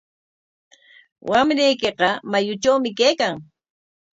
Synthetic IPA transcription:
wʔamɾijkeqɑmajʊt͡ʃawmɪkejkaŋ

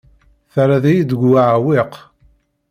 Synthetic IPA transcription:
θæɾaðæjid̪əɡaʕwɪq

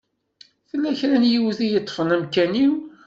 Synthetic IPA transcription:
θəlːæçɾænjiwðijət̪ˤːfənæmkæniw

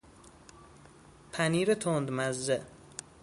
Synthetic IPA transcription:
pʰæniːɾɪt̪ʰond̪mazːɪ

